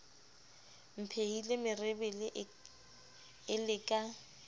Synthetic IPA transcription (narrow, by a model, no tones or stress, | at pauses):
m̩pʰeilemɪrɪbɪlɪʔ | ɪlɪkʼa